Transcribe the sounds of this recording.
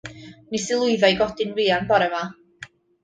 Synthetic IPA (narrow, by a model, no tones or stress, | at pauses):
nisɪlˠʊɨðajɡɔdɪnriːanbaɾɛma